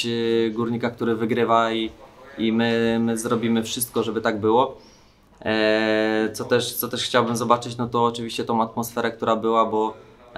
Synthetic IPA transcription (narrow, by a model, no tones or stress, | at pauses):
ɡuɾɲikak̚t̪uɾɘvɘɡɾɘvaiimɘmɘzɾɔbʲimɘfʂɘst̪̚kɔʐɛbɘt̪aɡ̚bɘwɔ | t̪sɔt̪ɛʂt̪sɔt̪ɛʂxt͡ɕawbɘmzɔbat͡ʂɘt͡ɕnɔt̪ɔːt͡ʂɘvʲiɕt͡ɕɛt̪ɔ̃w̃at̪mɔsfɛɾɛkt̪uɾabɘwabɔ